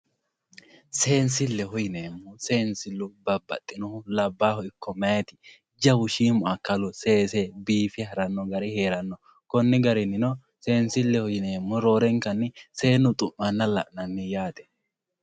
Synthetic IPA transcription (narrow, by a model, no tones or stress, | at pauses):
se̞ːnsɪlːɛɦɔjɪneːmːʊse̞ːnsɪlːʊbɐbːɐ̰t̪ʼːɪnɔhʊlɐbːaːhɔɪkːɔmɐjɛt̪ɪ̥ | d͡ʒɐwʊʃiːmːʊɐkːɐlʊseːsebiːfɪhɐɾɐnːɔɡɐɾɛhe̞ːɾɐnːɔ | kɔnːɪɡɐɾɛnɪnɔ | se̞ːnsɪlːɛhɔjɪneːmːʊɾo̞ːɾɛŋkɐnːɪseːnːʊt̪ʼʊʔːɐnːɐlɐ̰ʔnɐnːɪjaːt̪ɛ̥